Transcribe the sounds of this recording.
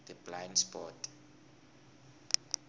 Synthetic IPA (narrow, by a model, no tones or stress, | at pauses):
d̪əblãjnspɔt